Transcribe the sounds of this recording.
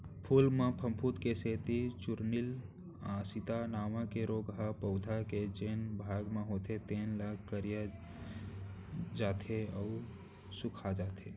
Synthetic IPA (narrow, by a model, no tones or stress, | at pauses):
pʰulmẽpʰəmpʰut̪keseːt̪it͡ʃʊɾnil | ãːsit̪anaːmãkeɾoːɡɦapəʊd̪ʱaked͡ʒeːnbʱaːɡmẽɦoːt̪ʰet̪eːnlaːkʰkəɾija | d͡ʒaːt̪ʰeəʊ | sukʰad͡ʒaːt̪ʰe